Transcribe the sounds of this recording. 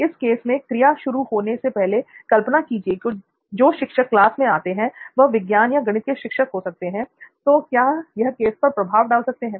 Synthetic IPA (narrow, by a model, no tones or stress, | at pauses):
ɪskeːsmẽkɾɪjaʃʊɾuhoːnesepɛɦlekɐlpənakiːd͡ʒieko | d͡ʒoːʃɪkʃəkːlaːsmẽaːt̪eɦɛ̃ʋɐɦʋɪɡjaːnjaɡɐɽ̃ɪt̪keʃɪkʃəkɦosɐk̚t̪eɦɛ̃ːt̪oːkjaːjɐɦkeːspɐɾpɾɐbʱaːʋɖaːlsɐk̚t̪eɦɛ̃ː